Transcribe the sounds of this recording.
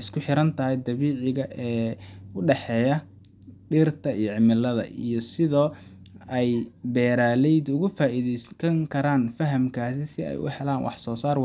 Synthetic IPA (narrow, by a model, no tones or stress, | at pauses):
ɪskʰʊħɪɾɐnt̪ʰɐɦɛjd̪ɐβiːʕɪɣɐʔɛːʊɖɛħɛːjɐ | ɖɪrt̪ʰɐijɔʕɪmɪlːɐðɐ̰ʔḭjɞsɪðɔː | ɛjbɛːɾaːlɛjd̪ʊɣʊfaːʔiðɛjsɐŋkʰɐɾaːnfɐɦɐmkʰaːsɪsɪɛ̰jʊ̰hɛlaːnwɑ̰ħsɔːsaːrw